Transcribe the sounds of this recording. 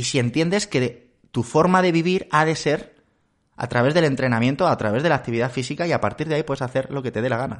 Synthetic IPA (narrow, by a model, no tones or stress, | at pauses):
isie̞nt̪je̞nd̪e̞ske̞ | t̪ufo̞ɾmaðe̞β̞iβ̞iɾað̞e̞se̞ɾ | a̰t̪ɾaβe̞zð̞e̞le̞nt̪ɾe̞nãmjent̪o̞at̪ɾaβe̞zðe̞lak̚t̪iβiðafisikaiapaɾt̪iɾð̞eaipwe̞saθe̞ɾlo̞ke̞t̪e̞ð̞e̞laɣ̞ana̰